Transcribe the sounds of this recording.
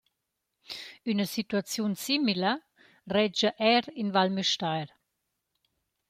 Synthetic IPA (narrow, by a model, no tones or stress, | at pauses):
ynəsit̪wat͡sjunsimilə | rɛd͡ʒəʔɛɾinvalmyʃtajɾ